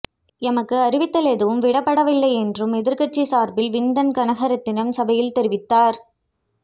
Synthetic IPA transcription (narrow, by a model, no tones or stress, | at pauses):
ɛmɐkːɯɐɾɪʋɪt̪ːɐlɛðɯʋɯmʋɪɽɐpːɐɽɐʋɪlːɐɪɛndrɯmɛðɪɾkɐt͡ʃːisaːɾbɪlʋɪnd̪ɐnkɐnɐɣɐɾɐt̪ːɪnɐmsɐbɐjɪlt̪ɛɾɪʋɪt̪ːaːɾ